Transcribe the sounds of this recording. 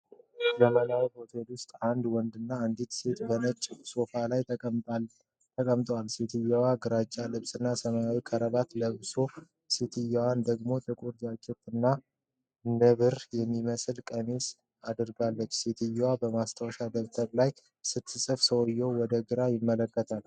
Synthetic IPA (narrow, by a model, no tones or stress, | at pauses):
ləmənawbot̪ʰelʊst̪ʼand̪wɔnd̪ɨnːaɨnd̪it̪se̞t̪bənət͡ʃʼːso̞falaj | t̪ʰəkʼəmt̪ʼwalset̪ʰɨjawaɡɨɾat͡ʃʼːalɨβsʼɨnːasəmajawikʰəɾəβat̪ləβso | set̪ʰɨjawand̪əɡmo̞t̪ʰʼɨkʼuɾzat͡ʃʼːɛt̪ɨnːa | nəβɨɾjɛmːiməsɨlkʼəmes | ad̪ɨɾɡalːət͡ʃːset̪ʰɨjːawabəmast̪ʰawʃad̪əβt̪ʰəɾlaj | sɨt̪ʰːɨsʼɨfsʰəwɔjːɛwwɔd̪əɡɨɾajɪmːələkːət̪ʰal